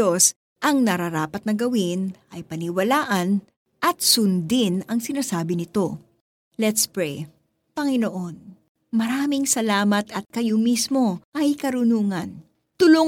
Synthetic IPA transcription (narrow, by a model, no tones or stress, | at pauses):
os | ʔɐŋnɐɾɐɾaːpɐt̪̚nɐɡɐwɪnʔɐjpɐnɪwɐlaːʔɐn | ʔɐt̪̚sʊnd̪ɪnɐŋsɪnaːsaːbɪnɪt̪o̞ | lɛt̪spɹɛj | pɐŋɪnoʔo̞n | mɐɾaːmɪŋsɐlaːmɐt̪ɐt̪̚kɐjomismo̞ʔɐjkɐɾʊnuːŋɐn | t̪ʊlʊ